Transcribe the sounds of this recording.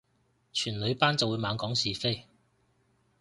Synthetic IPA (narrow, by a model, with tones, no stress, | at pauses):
t͡ʃʰyː˨˩nlɵ˨˧ɥpaː˥nt͡sɐ˨wuː˨˧jmaː˨˧nkɔː˨˥ŋsiː˨fe˥j